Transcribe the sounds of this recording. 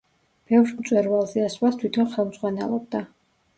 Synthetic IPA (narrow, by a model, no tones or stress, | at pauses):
b̥ɛvɾmt̪sʼwɛɾvalˠzɛasvast̪ʰwit̪ʰɔnχɛlˠmzʁwanɛ̰lˠɔb̚d̪a